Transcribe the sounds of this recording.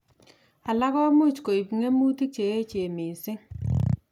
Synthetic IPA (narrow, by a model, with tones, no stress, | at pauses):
a˨la˦ɣɔ˦mu˦˨t͡ʃko˨i˨pŋe˦mu˦ti˦t͡ʃe˨e˦t͡ʃe˨mɪ˨sɪ˦